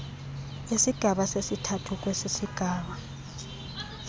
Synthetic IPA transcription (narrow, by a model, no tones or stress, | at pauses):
isiɡ̥ʱaɓasesitʰatʰuk̬wesisiɡ̥ʱaːɓa